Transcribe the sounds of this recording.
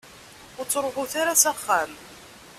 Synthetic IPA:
ʊɾt͡sːɾˤʁʊθaɾasaχːam

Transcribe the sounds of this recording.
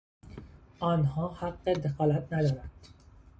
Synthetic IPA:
ʔɒːnhɒːhæɡːed̪exɒːlæt̪ʰnæd̪ɒːɾænd̪̥

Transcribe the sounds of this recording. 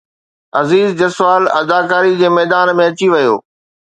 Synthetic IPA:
ɐziːzd͡ʑɐsʋaːlɐd̪aːkaːɾid͡ʑeːmɛːd̪aːnmẽɐt͡ɕiʋɐjo̰ː

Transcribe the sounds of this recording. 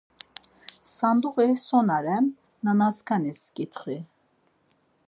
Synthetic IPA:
sand̪uʁisɔnaɾɛm | nanaskʰaniskʼit̪ʰχi

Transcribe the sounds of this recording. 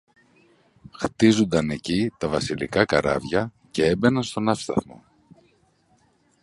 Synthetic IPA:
xt̪izund̪ɐne̞cit̪ɐvɐsilḭkɐkɐɾɐ̰vʝɐ | ce̞e̞be̞nɐnst̪o̞nɐfst̪ɐ̰θmo̰

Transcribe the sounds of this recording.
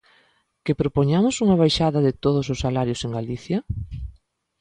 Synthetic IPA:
kɪpɾopoɲamʊsuŋɐβ̞ajʃaðɐðɪt̪oð̞ʊsʊsalaɾjʊseŋɡaliθjɐ

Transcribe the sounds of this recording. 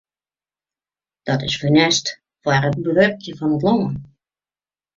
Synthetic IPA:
d̥ɔtɪsfənɛst | ʋarət̚bəʋørkjəfɔnətloŋən

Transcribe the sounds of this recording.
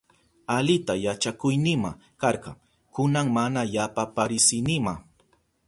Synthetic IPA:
alɪt̪ajat͡ʃakʊjnɪma̰ | kɑɾqɑ̰ŋ | kʊnaŋmanajapapaɾɪsɪnɪma̰

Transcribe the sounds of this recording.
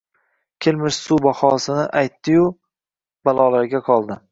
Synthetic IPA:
kʲʰelmɪʃsubahɒsɪnɪʔajt̪ːɪjʊ | b̥alˠɒlaɾɡʲaqʰɒlˠd̪ɪ

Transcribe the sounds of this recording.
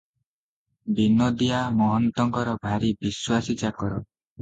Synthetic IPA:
binod̪ijamɔɦɔnt̪ɔŋkɔɾɔbʱaɾibiswasit͡ʃakɔɾɔ

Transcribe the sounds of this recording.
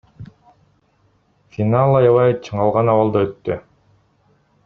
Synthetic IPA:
fʲinalˠɑjɑvɑjt͡ʃʰɯɴɑlˠʁɑnɑwɑlˠd̪aøt̪ːy

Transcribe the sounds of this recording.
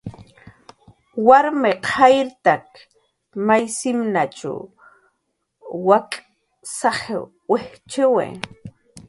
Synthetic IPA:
waɾmeqʰajɾt̪ak | majsɪmnat͡ʃa̰w | wakʼ | sahe | weht͡ʃɪwḛː

